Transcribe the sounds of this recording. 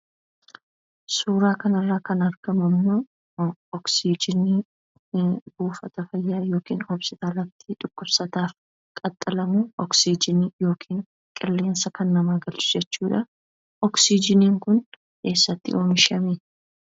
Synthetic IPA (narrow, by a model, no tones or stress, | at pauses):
suːɾaːkɐnɐrːaːkɐnɐɾɡ̥ɐmɐmːoː | ɔksid͡ʒɪni | buːfɐt̪ɐfɐjːaːjo̞ːkḭːnhɔbsɪt̪aːlɐt̪ːɪᶑʊkʼːʊbsɐt̪aːf | kʼɐt̪ʼːɐlɐmuɔksid͡ʒɪnijo̞ːkʰiːn | kʼɪlːe̞ːnsɐkɐnːɐmaːɡɐlt͡ʃʊ̥d͡ʒɛt͡ʃːuːᶑɐ | ɔksid͡ʒɪniːŋkʊn | ke̞ːsːɐt̪ːɪ̰ʔo̞ːmɪʃɐmeː